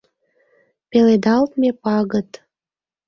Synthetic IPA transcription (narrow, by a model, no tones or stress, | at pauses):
peled̪ɑlt̪mepɑɣət̪